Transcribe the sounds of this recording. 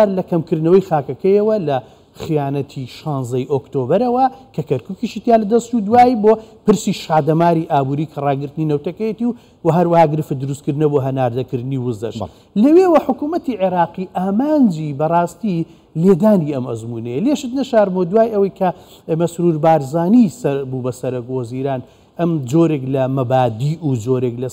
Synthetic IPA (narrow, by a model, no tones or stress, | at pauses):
aɾlɐkɐmkɨɾd̪nɐwɐjxaːkɐkɐjɐwɐlɐ | xijaːnɐt̪ʰiʃɑːnzɐjʔoːkt̪oːbɐɾɐwɐkʰɐkɐɾkukiʃit̪jaːlɐd̪ɐst͡ʃud̪waːjbopɨɾsiʃaːd̪ɐmaːɾiʔaːbuːɾiːkʰɐrˤɑːɡɨɾt̪ɨninɐwt̪ɐkɐjet̪iw | wɐɦɐɾwɐhaːɡɨɾɨfɨd̪ɨɾust̪̚kɨɾd̪ɨnɐboːɦɐnaːɾd̪ɐkɨɾd̪ɨniwʊzɐ̰ɾʃ | lɐwewɐħʊkuːmɐt̪iʕeɾɑːqiʔaːmaːnd͡ʒibɐrˤɑːst̪i | leːd̪aːniɐmɐ̰zmunɐjeleʃɨt̪nɐʃaːɾmod̪waːjʔɐwɐjkʰɐ | mɐsɾuːɾbaːɾzaːnisɐbubɐsɐɾɐkwɐziːɾaːn | ʔɐmd͡ʒoːɾeklɐmɐbaːd̪iːʔud͡ʒoːɾeklɐ